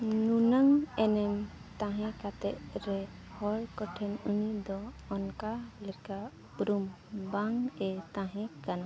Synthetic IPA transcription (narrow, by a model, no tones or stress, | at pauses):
nunaŋɛnɛm | t̪ãɦɛ̃kat̪ɛʔɾɛ | hɔlkɔʈʰɛnunid̪ɔː | nkalɛka | puɾum | baŋɛt̪ãɦɛ̃kana